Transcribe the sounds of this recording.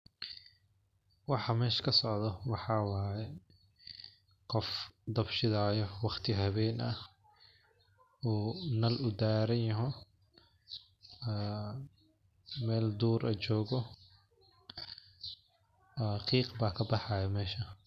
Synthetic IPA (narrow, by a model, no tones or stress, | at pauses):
wɑħɑmɛːʃɐ̥kʰɐsɔʕd̪ɐwɑħɑːwaːjɛ | qɔfd̪ɐbʃɪðaːjɔwɑχt̪ʰɪɦɐβɛːnɐ | uːnɐlʊd̪aːɾɐnjɐɦɔ | mɛːld̪uːɾʔɐt͡ʃɔːɣɔ | qiːqbaːkʰɐbɑħɑjɐmɛːʃɐ